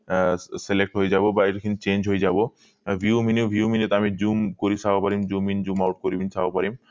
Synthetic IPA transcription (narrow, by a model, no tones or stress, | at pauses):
selek̚ʈɦojed͡ʑabobaeɾkʰint͡ɕend͡ʑʱɦojed͡ʑabo | vʱiuminewbʱiuminet̪amid͡ʑumkoɾit͡ɕʰaapaɾimd͡ʑumind͡ʑumawʈ̚koɾibinsʰawapaɾim